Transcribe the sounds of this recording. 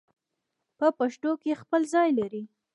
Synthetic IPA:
pəpaʃʈokexpəlzɑjlaɾi

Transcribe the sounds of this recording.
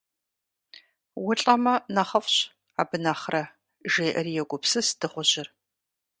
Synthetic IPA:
wʊɬʼɐmɐnɐχɐfɕ | aːbɨnaːχrɐ | ʒeːʔɐrijɛɡʷʊpsɨsd̥ɨχʷʊʑɪr

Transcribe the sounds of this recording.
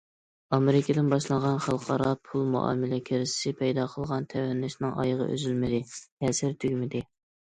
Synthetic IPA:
ɑmeɾɪkʲɪd̪ɪnbɑʃlˠɑɴʁɑnχɑlˠqʰɑɾɑpʰulˠmṵʔɑ̰ːmɪlɛkʲʰeɾɪsɪ̥sɪpʰɛjd̪ɑqʰəlˠʁɑnt̪ʰɛwɛnːɪʃnɪŋʔɑ̰jəʁə̰ʔø̰zylmɪd̪ɪhɛsɪɾt̪ʰyɡʲmɪd̪ɪ

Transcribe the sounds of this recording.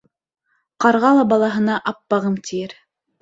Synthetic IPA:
qɑɾʁɑlˠɑbɑlˠɑɦɤ̆nɑʔɑpːɑʁɤmt̪ʰijɘɾ

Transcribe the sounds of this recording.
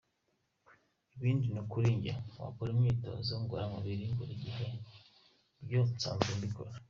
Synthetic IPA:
iβiːndinokuɾiːɲɟa̰wa̰koɾimŋiːto̰ziuŋɡoɾamaβiɾiŋɡuɾiɟihe | ɾɟot͡sa̰ːnzumbiko̰ɾa

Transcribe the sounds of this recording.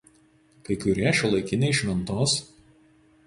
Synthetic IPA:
kɐɪkʊɾʲiɛʃʲɛlˠɐɪkʲɪnʲɛɪɪʃʲmʲɛnt̪oːs

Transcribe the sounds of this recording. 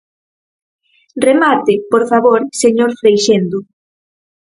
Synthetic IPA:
remat̪ɪpoɾfaβoɾseɲoɾfɾejʃend̪ʊ

